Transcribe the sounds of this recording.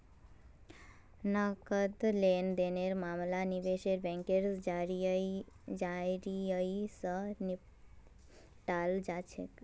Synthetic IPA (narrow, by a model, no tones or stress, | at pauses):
nakəd̪lend̪eneɾmamlanibeʃeɾbɛ̃ŋkeɾsd͡ʒaɾii | d͡ʒaɾiəisəni | ʈald͡ʒat͡ʃʰḛk